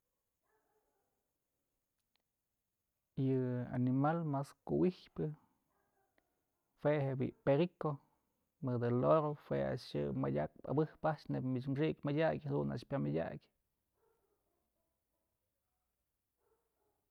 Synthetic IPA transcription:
jɨa̰nimalmaskuwihpɨ | fwehebḭʔpeɾiko | mɨd̪ɨloɾohwea̰ʂjɨ̰majʲak̚pa̰bɨhpaʔt͡ʃnebmit͡ʃmʂiʔkʲmadʲakʲhad̪una̰ʂpʲamadʲa̰ɡʲ

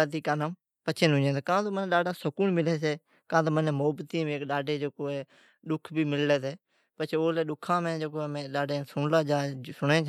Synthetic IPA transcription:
at̪iːkaːnaːm | pət͡ʃʰẽːnʊ̃d͡ʒẽːd̪ːkãːt̪oːmənẽːɗaːɖaːsəkuːɳmɪleːseː | kãːt̪̬oːmənẽːmoːbt̪iːmẽːkɗaːɖeːd͡ʒoːkoːɛː | ɗʊkʰbʱiːmɪlleːseː | pət͡ʃʰeoːleːɗʊkʰãːmẽːd͡ʒoːkoːɛːmẽːɗaːɖeːsʊɳlaːd͡ʒaːsʊɽẽːt͡ʃ

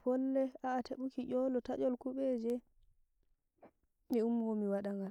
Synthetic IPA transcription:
hɔlːɛaːteɓukiɟɔlɔtaʔɔlkuɓɛd͡ʒɛ | miumɡɔmiwaɗaŋɡal

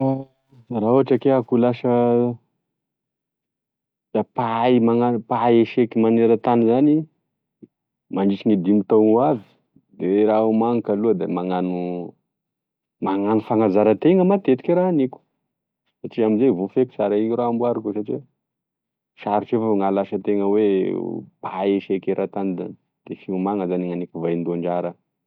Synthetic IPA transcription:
rauaʈ͡ʂakeakulaʃə | d̪̥apaimaŋanpaeʃekimaneɾət̪anizani | maɳɖ͡ʐit͡ʃiŋid̪imit̪aŋuavi̥ | d̪eɾaumaŋikaluəd̪emaŋanu | maŋanufaŋazaɾət̪eŋəmat̪et̪i̥kiɾaaniku̥ | saʈ͡ʂiamizevufeku̥saɾaiuɾambuaɾukusaʈ͡ʂi | ʃaɾiʈ͡ʂefoŋalaʃət̪eŋəwe | paeʃekeɾʔat̪anid̪a̰ | d̪̥efiumaŋəzaniŋanikuvajnd̪oaɳɖ͡ʐaɾə

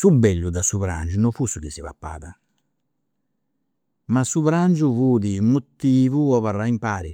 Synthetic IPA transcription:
subɛʎːud̪asuβɾa̰nd͡ʒunɔfusuk̟isiβa̰pːa̰ːða | masuβɾand͡ʒuvuːd̪iumːut̪ːiːvuɔβarːaimpaːɾi

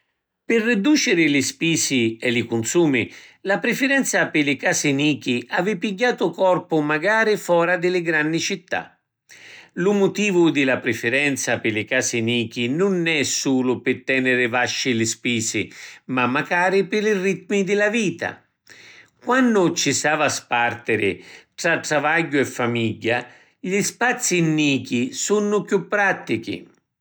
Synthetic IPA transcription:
pɪrːɪd̪uːt͡ʃɪɾɪlɪspiːsiɛlɪkʊnsuːmilapɾɪfɪɾɛnt̪sapɪlɪkaːsɪniːk̟iʔavɪpiɟːaːt̪ʊkɔrpʊmaɡaːɾɪfɔːɾad̪ɪlɪɡɾanːit͡ʃit̪ːa̰ | lʊmʊt̪iːvʊd̪ɪlapɾɪfɪɾɛnt̪sapɪlɪkaːsɪniːk̟inʊnɛsuːlʊpɪt̪ːɛnɪɾɪvaʃːɪlɪspiːsɪmamːakaːɾɪpɪlɪrit̪mid̪ɪlaviːt̪a̰ | kwanːʊt͡ʃːisaːvaspart̪ɪɾɪʈ̪ɾaʈ̪ɾavaɟːʊɛfːamiɟːa | ʎispat̪sːinːiːk̟isunːʊpjupːɾat̪ːikḭ

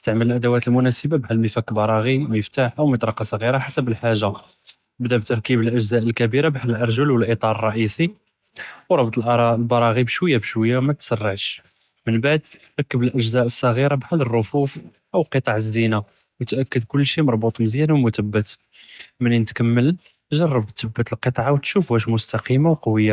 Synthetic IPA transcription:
əst̪aʕmələlʔæd̪əwæt̪əlmʊnæsəbabʕælməfækbɑɾˤɑɣimjəft̪aħʔəwmət̪ˤɾˤɑqɑsˤɣiɾaħasəbəlħaʒːa | bd̪æbt̪ɑɾˤkibəlʔəʒzæʔəlkæbiɾabħaləlʔɑɾˤʒəlwəlʔit̪ˤɑɾˤərˤːɑʔisi | wɾˤɑbt̪ˤəlʔlbɑɾˤɑɣibʃwəjːabʃwəjːawmæt̪sərˤːəʕʃ | mənbaʕd̪̚ | ɾɑkːəbəlʔəʒzæʔəsˤːɑɣiɾabħalːərˤːʊfuf | ʔəwqət̪ˤɑʕəzːina | wt̪ʔækːəd̪kʊlːʃimɑɾˤbut̪ˤməzjænwmʊt̪əbːət̪ | məninət̪kæmːəl | ʒɑrˤːɑbt̪ːəbːət̪əlqət̪ˤʕawt̪ʃufæʃ̬mʊst̪ɑqimawqɑwəjːa

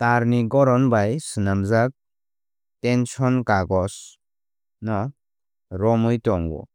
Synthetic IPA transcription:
taɾniɡɔɾɔnbajsɯnamzak̚ | tensɔnkaɡɔs | na | ɾɔmɯjtɔŋwɔ̰

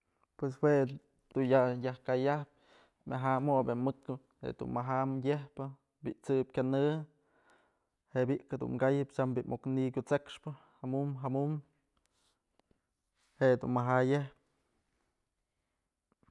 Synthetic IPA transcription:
pwes̬we | d̪̥unjajahkajahp̚ | mʲʔaɦamoʔbemɨkɨ | hḛd̪ṵnmaɦamjehpɨ | biʔt͡sɨp̚kʲanɨ | heʔbiʔkad̪ṵnɡajɨpt͡ʃambiʔmʔoknikʲut͡sekʂpɨ | hamumɦamum | heʔd̪ṵnmaɦajehp̚

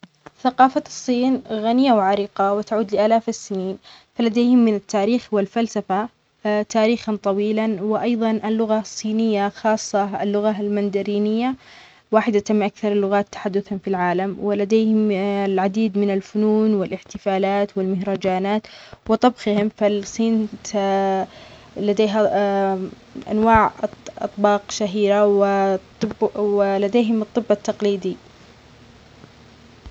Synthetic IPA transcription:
θaqɑːfasˤːiːnɣanɪjawʕaɾiqɑwɪt̪aʕuːd̪lɪʔaːlaːfɪsːɪniːnfalad̪eːhɪmːɪnat̪ːaːɾiːxwɪlfalsafa | t̪aːɾiːxɑnt̪ˤɑwiːlanwɪʔɑjðˤɑnʔɪlːʊɣasˤːiːnɪjːaxɑːsˤːɑ̰lːʊɣalmand̪aɾiːnɪjːa | waːħɪd̪at̪amːʔakθɑɾˤɪlːʊɣaːt̪ːḁħad̪ːʊθanfilʕaːlamwɪlad̪eːhɪmlʕad̪iːd̪mɪnalfʊnuːnwɪlʔɪħt̪ɪfaːlaːt̪wɪlmɪhɾˤɑd͡ʒaːnaːt̪wɨt̪ˤɑbxɪhɪmfalsˤiːnt̪ | lad̪eːɦa | ʔa̰nwaːʕʔɑ̰t̪ˤbɑːqʃaɦiːɾawɪ | bwɪlad̪eːɦɪmɨt̪ˤːɨbːɑt̪ːɑqliːd̪i

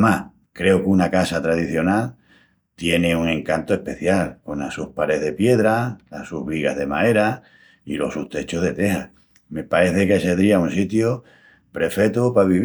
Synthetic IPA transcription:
mah | kɾe̞okunakasat̪ɾað̞iθjo̞nal | t̪je̞ne̞uŋẽ̞ŋkant̪oe̞hpe̞θjalko̞nasuhpaɾe̞ɦðe̞pje̞ðɾalasuɦβiɣa̰ɦðe̞mae̞ɾa | ḭlo̞̰suht̪e̞t͡ʃo̞ɦðe̞t̪e̞hah | me̞pae̞θe̞keseðɾiaunsit̪jo | pɾe̞fe̞t̪upaβiβ

